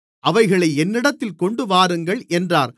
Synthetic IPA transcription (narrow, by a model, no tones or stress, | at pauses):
ʔɐʋɐɪɣɐɭɐɪɛnːɪɽɐt̪ːɪlkɔɳɖɯʋaːɾɯŋɡɐɭʔɛndraːɾ